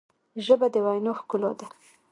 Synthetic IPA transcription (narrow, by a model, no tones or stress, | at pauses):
ʒəbad̪əwajnoxkʊlod̪a